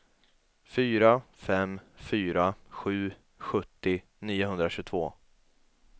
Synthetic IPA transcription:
fyːɾafɛmfyːɾaɧʉ̟ː | ɧɵt̪ːɪ | niːʊɦɵnd̪ɾaɕɵʉt̪ʰvoː

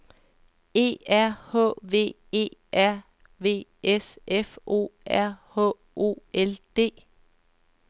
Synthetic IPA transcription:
e̝̰ːæɐ̰hɔ̰ːʋe̝̰ː | e̝̰ːʔæɐ̰ | ʋe̝̰ːesefo̝̰ːʔæɐ̰hɔ̰ | ʔo̝̰eld̥e̝̰ː

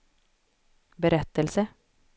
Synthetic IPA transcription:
bəɾɛt̪əlsə

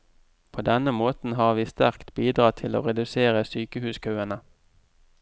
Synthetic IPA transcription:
pʰoːd̪ɛnəmoːt̪n̩hɑːʁʋiːst̪æʁkt̪biːd̪ʁɑːt̪ʰɪlo̰ːʁɛd̪ʉseːʁəsyːkəhʉːskʰɑːənə

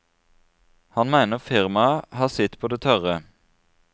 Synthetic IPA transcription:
hɑnmæɪnəʁfɪʁmɑhɑːʁsɪt̪pʰoːd̪eːt̪ʰœʁə

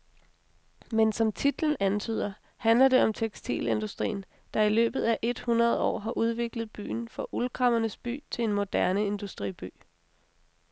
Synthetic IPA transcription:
mensɒ̽mt͡sʰid̥ln̩ænt͡sʰy̰ːð̞̰ˠɐ | hænlɐd̥e̝ɒ̽mt͡sʰeɡ̥sd̥ʰḭːle̝nd̥usd̥ʁḭːn | d̥ɑ̈ilø̰ːb̥ð̞̩ˠæʔe̝d̥hunʁɐð̞ˠɒ̰ːɦɑ̈ʔuð̞ˠʋe̝ɡ̥ləð̩ˠb̥y̰ːnfɒ̽ʔulkʰʁɑ̈mɐnəsb̥y̰ːt͡sʰe̝enmo̝d̥æɐnəe̝nd̥usd̥ʁḭb̥y̰ː

